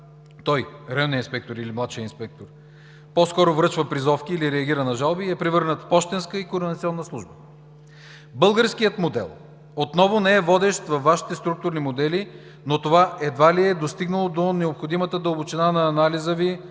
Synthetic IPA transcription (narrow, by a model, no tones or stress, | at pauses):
t̪ɔjɾəniinspɛk̚t̪oɾilimlˠat̪ʃijəinspɛk̚t̪oɾ | pɔskɔɾovɾɤt͡ʃvəpɾizɔfkʲiːliɾɛɐɡ̟ʲiɾənɐʒalˠbiɛpɾivɤɾnət̪fpɔʃt̪ɛnskəikoɾd̪int̪sʲiɔnːəslˠuʒbə | bɤlˠɡəɾskijət̪mod̪ɛ̰lˠ | ot̪nɔvonɛɛvɔd̪ɛʃt̪vɐfːaʃi̥t̪ɛst̪ɾuk̚t̪ʊɾnimod̪ɛli | not̪ovaʔɛd̪valiɛd̪ost̪iɡnəlˠod̪onɛopxod̪imət̪əd̪ɐobot͡ʃɛnanɐːnalizəvi